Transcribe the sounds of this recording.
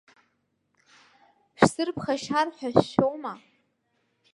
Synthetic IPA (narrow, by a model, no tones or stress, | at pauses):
ʃsɨrpʰχaʃarħʷᶣaɕʃowma